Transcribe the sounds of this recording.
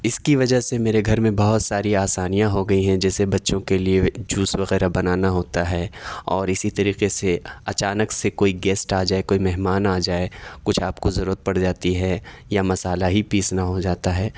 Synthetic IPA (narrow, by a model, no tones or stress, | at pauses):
ɪskiʋɐd͡ʒəɦsemeːɾeɡʱɐɾmẽbɐɦʊt̪saːɾiaːsaːnijãɦoɡɐiɦɛ̃d͡ʒɛːsebɐtːʃõkelied͡ʒuːsʋɐɣɛːɾabɐnaːnaɦoːt̪aɦɛːɔːɾɪsit̪ɐɾiːqeseɐt͡ʃaːnəksekoːiɡɛːsʈaːd͡ʒaːekoːimɛɦmaːnaːd͡ʒaːekʊt͡ʃʰaːpkozɐɾuːɾət̪̚pɐɽd͡ʒaːt̪iɦɛjamɐsaːlaɦipiːsnaɦod͡ʒaːt̪aɦɛː